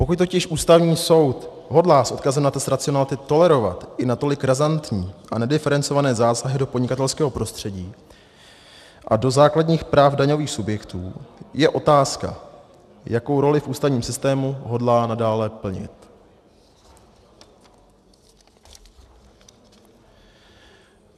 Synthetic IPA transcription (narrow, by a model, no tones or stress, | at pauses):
po̞kuc̚t̪ocɪʃʔuːst̪avɲiːso̞wt̪ | ɦodlaːsʔo̞t̪kazɛmnat̪ɛst̪ɾat͡sɪonalɪt̪ɪt̪o̞lɛɾo̞va̰t̪ʔɪnat̪o̞lɪkɾazant̪ɲiːʔanɛdɪfɛɾɛnt͡so̞vanɛːzaːsaɦɪdo̞pdɲɪkat̪ɛlskɛːɦo̞pɾo̞st̪r̝̥ɛɟiː | ʔa̰do̞zaːkladɲiːxpɾaːfdaɲo̞viːxsubjɛkt̪uːjɛʔo̞t̪aːska̰ | jako̞wɾo̞lɪfʔuːst̪avɲiːmsɪst̪ɛːmuɦo̞dlaːnadaːlɛpl̩ɲɪ̰t̪